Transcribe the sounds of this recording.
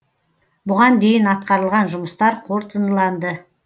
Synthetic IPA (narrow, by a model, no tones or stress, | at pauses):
bʊʁɑnd̪e̞jɪnɑt̪̚qɑɾəlˠʁɑnʒʊməst̪ɑɾqʰo̞ɾt̪ənlˠɑnd̪ə